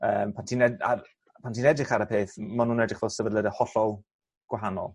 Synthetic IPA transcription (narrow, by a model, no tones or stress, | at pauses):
əːmpʰantʰiːnɛa̰r | pʰantʰiːnɛdrɪχaɾəpʰeːθmanuːnɛdrɪχvoːsəvədlˠədəhɔɬɔlˠ | ɡ̥waɦanɔ̰lˠ